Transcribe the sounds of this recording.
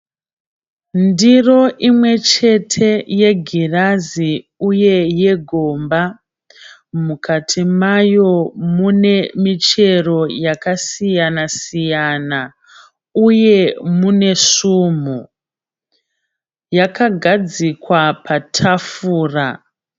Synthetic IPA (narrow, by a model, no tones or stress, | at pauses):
ndiro̞ʔimwe̞t͡ʃe̞tʰe̞je̞ɡʱirazi | uje̞je̞ɡʱo̞mba | mukatʰimajo̞mune̞mit͡ʃe̞ro̞jakasijanasijana | uje̞mune̞ʂum̤u | jakaɡʱad͡zikwapʰatʰafuːra